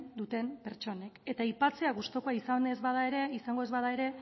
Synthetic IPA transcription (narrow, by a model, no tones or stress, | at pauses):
d̪ut̪e̞mpe̞ɾt͡ʃo̞ne̞ke̞t̪aipat͡se̞aɣust̪o̞ko̞aisanezβaðaeɾe̞isaŋɡo̞e̞zβaðae̞ɾe̞